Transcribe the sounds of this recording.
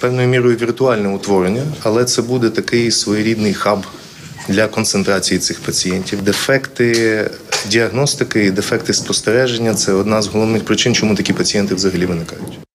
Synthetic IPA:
pɛwnʊjʊmʲiɾɔjʊʋʲirt̪ʊɑlʲnɛʊt̪ʋɔɾenʲːɐɐlˠɛt̪sɛbud̪ɛt̪ɐkɪjsʋɔjɔɾʲid̪nɪjxɑb | d̪lʲɐkɔnsent̪ɾɑt͡sʲijit̪sɪxpɐt͡sʲijɛnʲtʲiwd̪efɛkt̪ɪ | dʲiɐɣnɔst̪ɪkɪid̪efɛk̚t̪ɪspɔst̪eɾɛʒenʲːɐt̪sɛɔd̪nɑzɦɔlˠɔʋnɪxpɾɪt͡ʃɪnt͡ʃɔmut̪ɐkʲipɐt͡sʲijɛnt̪ɪʋzɐɦɐlʲiʋɪnɪkɑjʊtʲ

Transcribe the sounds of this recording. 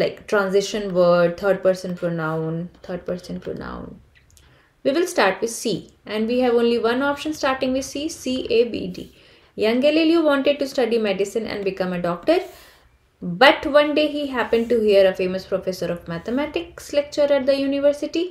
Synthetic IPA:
laɪkʈɾãnzɪʃə̃nʋəːɖ̚t̪ʰəɾɖ̚pəɾsə̃npɔnãʊ̃nt̪ʰəɾɖ̚pəɾsə̃npo̰nã̰ʊ̃n | ʋiːʋɪlsʈaːɾʈʋɪd̪siː | ʔɛ̃nɖʋiːɦæʋõːnliʋʌ̃nɔpʃə̃nsʈaːɾʈɪ̃ŋɡʋɪd̪siːsiːʔebḭːɖḭː | jʌ̃ŋɡeleljuʋɔ̃ɳʈeɖ̚ʈusʈʌɖimɛɖɪsɪ̃nɛ̰̃ɳɖbɪkʌ̃məɖɔːk̚ʈəɾ | bʌʈʋʌ̃nɖeːɦiːɦæpə̃ɳɖ̚ʈuɦiəɾəfẽːməspɾofesəɾɔʋmæt̪əmæʈɪkslɛk̚t͡ʃəɾæʈ̚d̪əjuːnɪʋəɾsɪʈi

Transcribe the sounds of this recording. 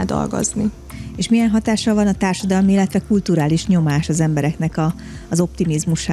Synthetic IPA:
d̪ɒ̰lɡo̰zni | eːʃmijɛnɦɒt̪aːʃːɒlvɒnɒt̪aːrʃɒd̪ɒlmiilːɛt̪ʋɛkult̪uɾaːliʃɲo̞maːʃɒzɛmbɛɾɛknɛkɒː | zo̞p̚t̪imizmuʃa

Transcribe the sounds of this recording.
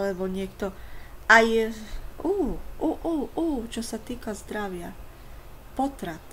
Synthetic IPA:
lɛbɔɲɪɛkt̪ɔaj | uːʔuʔuːʔuːt͡ʃɔsat̪iːkazd̪ɾaʋɪa | pɔt̪ɾat̪

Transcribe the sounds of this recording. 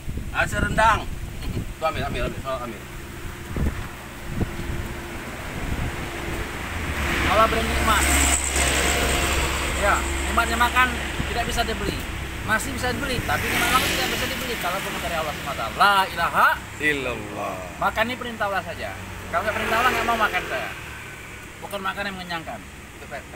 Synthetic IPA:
asəɾəndaŋt̪uameamesalambḭ | alabəɾanimat̪̚ | jamemat̪̚ɲamakan | t̪idaʔ̚bis̬adibəli | masɪhbisadibəlit̪apimemaŋmakut̪idaʔbis̬adibəlikalakʊrməkaɾjaalahsmat̪a̰lailaɦaʔ | il | makanːipəɾint̪aulahs̬ad͡ʒa̰kaloŋɡaʔpəɾint̪aulahŋɡaʔmaumakansaja̰ | bokərmakanjaməŋəɲaŋkan | t̪upɛ

